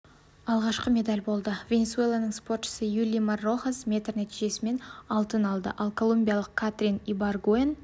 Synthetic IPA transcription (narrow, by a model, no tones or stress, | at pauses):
ɑlˠʁɑʃqəme̞d̪alʲbo̞lˠd̪əvʲe̞nʲe̞sue̞lˠanəɴspo̞rt̪ʃə̥səjulʲijmarːo̞χasmʲe̞t̪rnæt̪iʒe̞sɪme̞nɑlˠt̪ənɑlˠd̪ə̰ʔɑlˠkʰo̞lˠumʲbʲijalˠəq̚kʰat̪rʲinibarɡoen